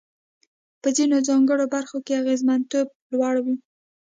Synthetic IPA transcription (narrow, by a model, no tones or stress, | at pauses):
pəzinozɑŋɡəɽobaɾxokeaɣezmant̪ob̚ | lwɑɽwi